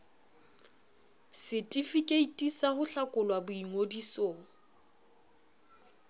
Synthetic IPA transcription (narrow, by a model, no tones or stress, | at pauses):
sɪtʼifikʼeitʼisahʊɬakʼʊlwabʊiŋodisɔ